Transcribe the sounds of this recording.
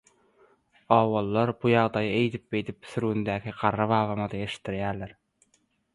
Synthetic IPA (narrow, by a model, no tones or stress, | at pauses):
ɑwɑlˠːɑɾbujɑʁd̪ɑjɯejt̪ɪp̚bejt̪ɪp̚syɾund̪ækʰʲɪqʰɑɾːɑβɑːvɑmɑd̪ɑeʃt̪ːɪɾjæːɾlæɾ